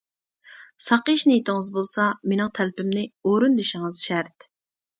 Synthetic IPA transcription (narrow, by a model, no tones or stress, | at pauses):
sɑqəʃnɪjet̪ɪŋɨzbolˠsɑmenɨŋt̪ʰælpɪmnɪoɾund̪eʃɪŋɨz̥ʃɛɾt̪